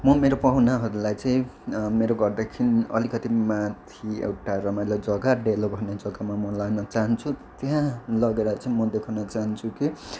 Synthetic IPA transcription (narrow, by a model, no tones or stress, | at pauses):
mʌmeɾopʌɦunaɦʌɾulajt͡sʌĩmeɾoɡʌrd̪akʰiniʌ̰likʌt̪imat̪ʰiḛwʈaɾʌmajlajd͡zʌɡaɖelobʱʌned͡zʌɡamamʌlaɡnʌt͡saɦʌnt͡sʰut̪jɦãlʌɡeɾʌt͡sʌĩmʌd̪ekʰanʌt͡saɦʌnt͡sʰuki